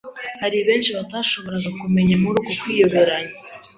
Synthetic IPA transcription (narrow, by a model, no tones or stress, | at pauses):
haɾiβe̞ːnʃiβataːʃo̞βo̞ɾaɡakume̞ɲamuɾuːɡo̞kwiːjo̞βe̞ɾaɲa